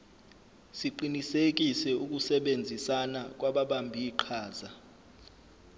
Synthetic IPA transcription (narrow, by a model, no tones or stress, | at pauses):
siǃinisek̬ʼisɛuk̬ʼusɛɓend͡zʱisanak̬ʼwaɓaɓambʱiːǃʰaːza